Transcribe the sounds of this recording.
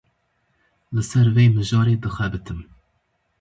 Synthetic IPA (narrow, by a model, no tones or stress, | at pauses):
lɨsɛɾveːmɨʒɑːɾeːd̪ɨxʷɛbɨt̪ʰɨm